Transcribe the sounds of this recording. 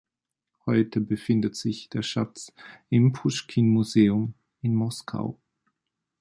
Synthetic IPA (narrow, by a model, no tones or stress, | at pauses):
hɔʏtʰəbəfɪndətz̥ɪçd̥eːɐʃat͡sɪmpʰʊʃkʰinmuzeːʊm | ɪnmɔskʰa̰ʊ